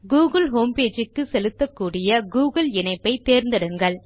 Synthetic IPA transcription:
ɡuːɣɐlɦoːmpeːd͡ʒɯkːɯsɛlɯt̪ːɐkːuːɽɪjɐɡuːɣɐɭɪɳɐɪpːɐɪt̪ːeːɾnd̪ɐɽɯŋɡɐɭ

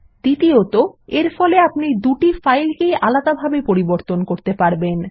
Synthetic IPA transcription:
d̪̥it̪iot̪oeɾfɔleapnid̪uʈifajlkejʔalad̪abʱabepoɾiboɾt̪onkoɾt̪epaɾben

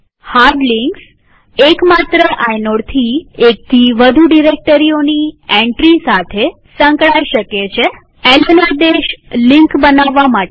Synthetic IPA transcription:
haɾɖliŋks | ekmat̪ɾəʔajnoɽt̪ʰiek̚t̪ʰiʋəd̪ʱuɖiɾek̚ʈəɾioniẽɳʈɾisat̪ʰe | sə̃ŋkɭajʃəket͡ʃʰe | ɛlənad̪eʃliŋkbənaʋːamaʈ

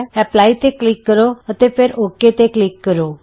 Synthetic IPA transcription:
ɦɛplait̪eklikːəɾoət̪epʰeɾokːet̪eklikːəɾo

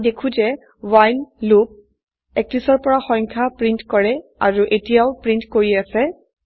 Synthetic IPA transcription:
dekʰũzɛ | wajnlup̚ | ɛk̚lisɔɹpɔɹaxɔ̃ŋkʰapɹintkɔɹɛa̰ɹuʔetijaʊpɹintkoɹiasɛ

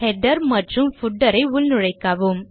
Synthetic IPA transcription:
hɛɖɐɾmɐʈrɯmfʊʈːɐɾɐɪʊlnʊɻɐɪkːaːʋum

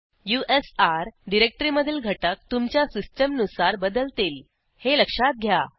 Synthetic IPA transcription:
juʔesaɾɖiɾek̚ʈɾiməd̪ʱːiːlɡʱəʈək̚t̪umt͡ɕjasisʈəmnusaɾbəd̪əlt̪iːl | heləkʂat̪̚ɡʱja

